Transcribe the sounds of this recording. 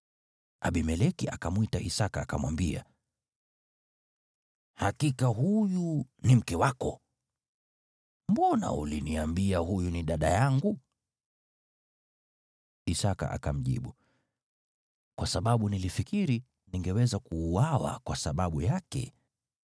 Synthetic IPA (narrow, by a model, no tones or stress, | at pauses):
ʔaɓimɛlɛkiʔakamwitaʔisakaːkamwambia̰ | hakikaɦujunim̩kɛwakɔ | m̩bɔna̰ṵliniambiahujuniɗaɗajaŋɡu | isaka̰ʔa̰kam̩ʄḭɓu | kwasaɓaɓunilifikiɾi | niŋɡɛwɛzakuːwawa̰kwasaɓaɓujakɛ̰